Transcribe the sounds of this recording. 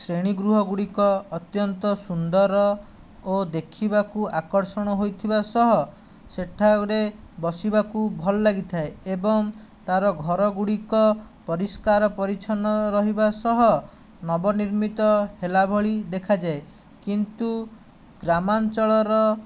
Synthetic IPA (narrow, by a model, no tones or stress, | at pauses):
sɾeɽ̃iɡɾuɦɔɡuɽikɔːt̪jɔnt̪ɔsund̪ɔɾɔ | od̪ekʰibakuakɔɾsɔɽ̃ɔɦojt̪ʰibasɔɦɔ | seʈʰaɾebɔsibakubʱɔlɔːaɡit̪ʰaeebɔŋ | t̪aɾɔɡʱɔɾɔɡuɽikɔ | pɔɾiskaɾɔpɔɾit͡ʃʰɔnɔɾɔɦibasɔɦɔ | nɔbɔniɾmit̪ɔhelabʱɔɭid̪ekʰad͡ʒae | kint̪u | ɡɾamant͡ʃɔɭɔɾɔ